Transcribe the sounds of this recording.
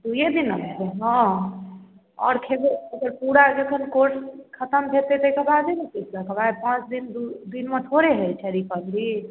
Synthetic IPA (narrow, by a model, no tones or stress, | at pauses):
d̪ujed̪inəmɦ̪eɦɔ̃ | ɔ̰ːɾkʰebeəɡəɾpuɽad͡ʒekʰənkoʈkʰət̪əmb̪ʱet̪et̪ɔkəbadinəkislakəbajpãt͡ʃd̪ind̪d̪inmẽt̪ʰoɾeɦet͡ʃʰɛɾipəbli